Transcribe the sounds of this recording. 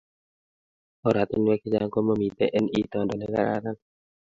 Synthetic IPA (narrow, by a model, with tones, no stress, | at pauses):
ɔ˨ɾa˨t̪ɪ˦ɲwɛ˦ki˦d͡ʒa˦ŋko˦mo˦mi˨t̪ɛ̰˦ʔɛ˦ni˦t̪ɔ˨ndɔ˨nɛ˦ka̰˦ɾa̰ɾa˦n